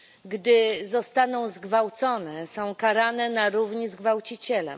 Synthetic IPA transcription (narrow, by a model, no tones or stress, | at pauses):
ɡd̪ɘzɔst̪anɔ̃w̃zɡvawt̪sɔnɛsɔ̃w̃kaɾanɛnaɾuvɲizɡvawt͡ɕit͡ɕɛlɛ̰m